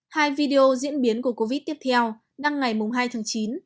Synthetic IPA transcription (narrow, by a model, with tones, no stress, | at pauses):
haː˧jvi˧ɗe˧ʔo˧zḭ˧˥ənɓi˨˦ənku˧˩əko˧vi˦˥t̪i˦˥ət̪ʰɛ˧w | ɗa˧ŋːa˨˩jmʊ˨˩ŋ͡mɦaː˧jt̪ʰaː˨˦ŋt͡ɕi˨˦n